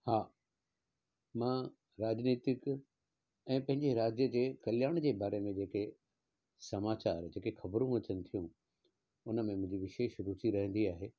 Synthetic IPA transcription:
haː | mãː | ɾaːd͡ʑniːt̪ɪk | ɛ̃ːpɐ̃ɦɪ̃ɲd͡ʑeɾaːd͡ʑjəd͡ʑeːkɐljaːɽ̃d͡ʑeːbaːɾemẽd͡ʑeːke | sɐmaːt͡ɕaːɾd͡ʑeːkexɐbɾũɐt͡ɕənɪ̆t̪ʰijũ | ʊnə̆mẽmʊ̃ɦɪ̃ɲd͡ʑiʋɪʃeːʃɾut̪ʰiɾɐɦə̃nd̪iaːɦeː

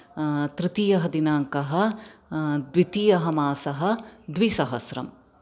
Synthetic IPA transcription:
t̪ɾɪt̪ijɐɦɐd̪inaːŋkɐɦɐ̆ | d̪ʋit̪iːjɐɦɐmaːsɐɦɐ̆d̪ʋisɐɦɐsɾɐ̰m

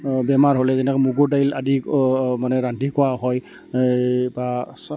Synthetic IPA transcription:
bɛmaɹɦolɛzɛnɛkɔmuɡuɹdajla̰dimanɛɹantikɔaɦɔj | ba

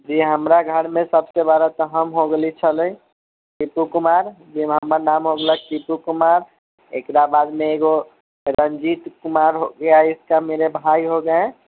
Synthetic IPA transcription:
d͡ʒiɦəmɾaɡʱəɽmẽsəbsebaɾat̪əɦəmɦoɡəlit͡ʃʰələ̃i | kipukumaɾd͡ʒiɦəmanamɦoɡlakipukumaɾ | ekɾabad̪meeɡo | ɾənd͡ʒit̪kumaɾɦoɡəjaɪskameɾebʱaiɦoɡəẽ

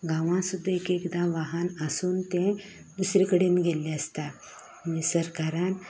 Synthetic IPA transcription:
ɡãʋãsud̪ʱːaekekd̪ãʋaɦənəsuːnt̪ɛ̃ | d̪usɾekəɽemiɡʱelːeəst̪a | misəɾkaɾan

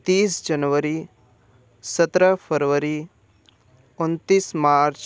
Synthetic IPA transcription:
t̪iːsd͡ʒɐnʋəɾi | sət̪ɾəfʰəɾʋəɾi | unt̪iːsmaːɾt͡ʃ

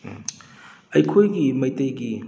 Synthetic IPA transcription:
ɐjkʰojɡimɐjtɐjɡi

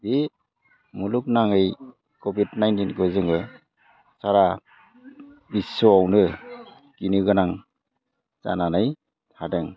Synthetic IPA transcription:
bi | muluk̚naŋɯj | kobidnajntinɡɯzɯŋɯ | saɾa | bisɔawnɯ | kinɯɡɯnaŋ | za̰nanɯj | hadɯŋ

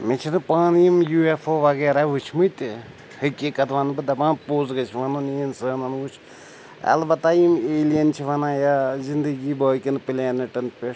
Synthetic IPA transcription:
met͡ʃʰinɨpaːnijimjuːefʰoːʋɐɡeːɾaʋut͡ʃʰimɨjt̪i | həkʲikɐt̪ʰʋɐnbɨd̪ɐbãːnpoːzɡɐt͡ʃʰiʋɐnoninsəːnɐnʋut͡ʃʰ | ɐ̰lbɐt̪aːjimeːlijɐnt͡ʃʰiʋɐnaːjazind̪əɡiːbəːkinpilʲeːnɐʈɐnpe

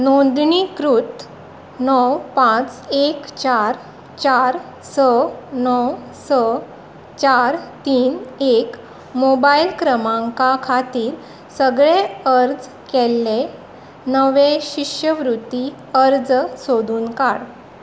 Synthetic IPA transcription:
nond̪ɳikɾut̪ | nɔwpãt͡sekt͡ɕaɾ | t͡ɕaɾ | sənɔw | sə | t͡ɕaɾt̪iːnek | mobailkɾəmãŋkakʰat̪iːɾ | səɡɭeəɾd͡z | kelːe | nəʋeɕikʂjəʋɾut̪i | əɾd͡zsod̪ʱuːnkaɽ

